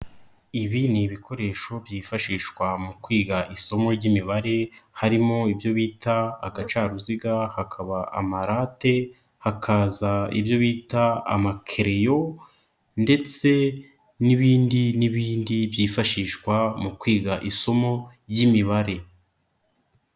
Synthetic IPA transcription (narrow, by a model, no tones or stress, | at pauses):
iβiniβikʰo̞ɾe̞ʃo̞bjiːfaʃiːʃkwamukwiːɡaʔiso̞mo̞ɾɟimiβaɾe̞haɾimo̞ibjo̞βiːta̰ːɡat͡ʃaːɾuziɡahakʰaβaʔa̰maɾate̞ | hakʰaːzaḭbjo̞βiːtaa̰makʰeɾejo̞ | nde̞t͡se̞ | niβiːndiniβiːndibjiːfaʃiːʃkwamukwiːɡaʔiso̞mo̞ | jimiβaɾe̞